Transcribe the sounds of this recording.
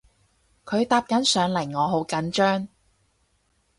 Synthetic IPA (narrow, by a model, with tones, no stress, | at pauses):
kʰɵ˨˧ɥt̪aː˧p̚kɐ˨˥nsœː˨˧ŋlɐ˨˩ŋɔː˨˧ɦo˨˧˥wkɐ˨˥nt͡ʃœː˥ŋ